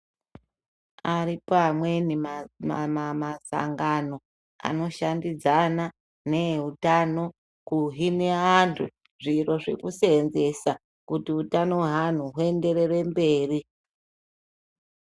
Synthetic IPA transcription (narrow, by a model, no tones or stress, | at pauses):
aripaamwe̞ni | mamasa̰ŋɡano̞ | a̰no̞ʃandid͡zana | ne̞ɦutano̞ | kuɦine̞antʰu | ʐiro̞ʐḛkusenze̞sa | kutiutano̞ɦan̤uɦue̞nde̞re̞re̞mbe̞ːri